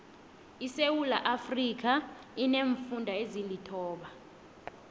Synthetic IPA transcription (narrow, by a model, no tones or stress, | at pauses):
isewulaʔafrik̬ʰa | ineɱfundʱaezilitʰɔːɓa